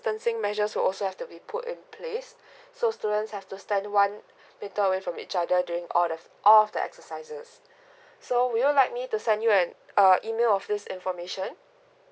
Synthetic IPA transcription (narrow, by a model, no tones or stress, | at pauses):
stə̃nsɪ̃ŋmɛʒəswɪlʔɔlsohɛftubipʰʊtɪ̰̃npʰlesː | ostudə̃ntshɛftustɛ̃ndwãn | mɪ̃ntəəwefɹɔ̃mḭt͡ʃadədjuɹɪ̃ŋɔl | ʔɔlɔfdəʔɛ̰ksəsaɪzəsː | owiwəlaɪk̚mitusɛ̃ndjuɛ̃nəʔimelɔfdɪsɪ̃nfɔmeʃə̃n